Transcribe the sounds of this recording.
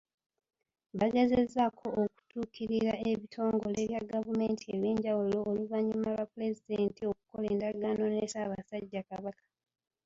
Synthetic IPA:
βaɡe̞ze̞zːakʰo̞ːku̥tuːkiɾiɾae̞βitʰo̞ːŋɡo̞le̞βjaɡavume̞ːntie̞βeːɲɟawulo̞ʔːluvaɲːumalwapule̞zideːntio̞ku̥ko̞leːndaɡaːnonesaːβasaɟːakaβakḁ

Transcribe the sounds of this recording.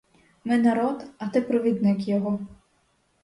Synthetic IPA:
mɛnɐɾɔt̪ɐt̪ɛpɾɔʋʲid̪nɪkjɔɦɔ

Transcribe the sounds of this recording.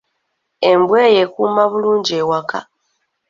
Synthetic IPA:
e̞mbweːjekuːmaβuluːɲɟieːwaka̰

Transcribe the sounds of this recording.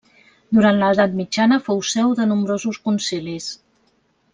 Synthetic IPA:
d̪uɾant̪ləðat̪mid͡ʒanəfowsɛwðənumbɾozuskunsilis

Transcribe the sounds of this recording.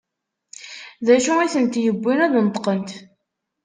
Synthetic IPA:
ðæʃuiθənt̪jəbʷːinæðnət̪ˤqənt̪

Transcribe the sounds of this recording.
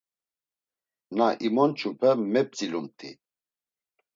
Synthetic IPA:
naʔimɔnt͡ʃʼupʰɛmɛp̚t͡sʼilumt̪ʰḭ

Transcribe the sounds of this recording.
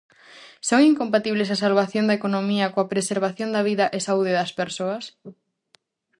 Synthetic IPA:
soŋiŋkompat̪iβlesɐsalβaθjõnd̪ɐekonomiɐkoɐpɾeseɾβaθjond̪ɐβiðɐʔesauðɪðɐspeɾsoɐs

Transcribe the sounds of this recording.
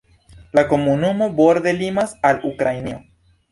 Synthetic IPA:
lako̞munumo̞boɾd̪e̞limasalukɾajnio

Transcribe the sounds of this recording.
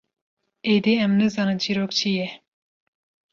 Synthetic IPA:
ed̪iɛmnɨzɑːnɨnd͡ʒiɾoːkt͡ʃʰijɛ

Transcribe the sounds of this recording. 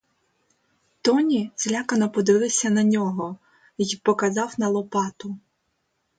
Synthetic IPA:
t̪ɔnʲizʲlʲakɐnɔpɔd̪ɪʋɪlˠɪsʲɐnɐnʲɔɦɔ | jipɔkɐzɑwnɐlˠɔpɑt̪ʊ

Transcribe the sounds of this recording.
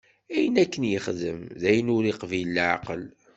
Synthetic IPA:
æjənækːənjəχðəmðæjənʊɾiqvilːʕqəl

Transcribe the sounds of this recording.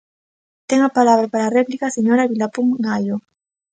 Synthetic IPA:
t̪eŋapalaβɾapaɾaːreplikaseɲoɾaβilapuŋɡajo

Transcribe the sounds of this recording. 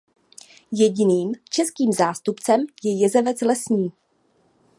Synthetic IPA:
jɛɟɪniːmt͡ʃɛskiːmzaːst̪upt͡sɛmjɛjɛzɛvɛt͡slɛsɲiː

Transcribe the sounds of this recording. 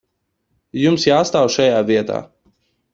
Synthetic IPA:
jumsjaːst̪awʃajaːviɛt̪a̰ː

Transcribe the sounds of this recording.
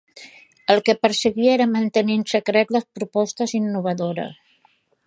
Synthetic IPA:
əlˠkəpəɾsəɣiɛɾəmənt̪əninsəkɾɛt̪ləspɾupɔst̪əzinːuβ̞əðoɾə̰s

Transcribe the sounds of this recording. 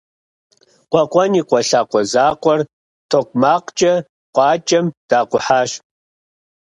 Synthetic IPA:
qʷɔqʷʼɐniːqʷʼɔɬaːqʷʼɔzaːqʷʼɔr | tʰoːkʷʼmaːqt͡ʃʼɐ | qʷʼɑːt͡ʃʼɐmd̥aːqʷʊħaːʃ

